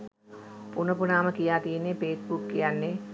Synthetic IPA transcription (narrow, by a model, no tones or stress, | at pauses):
punəpunaːməkijaːt̪ijenːepeːsbukːijanːe